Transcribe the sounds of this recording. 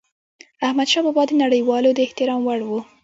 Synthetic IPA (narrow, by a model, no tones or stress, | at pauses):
ahmad̪ʃɑbɑbɑd̪ənaɽəjwɑlod̪əɪht̪ɪɾɑmwaɽwu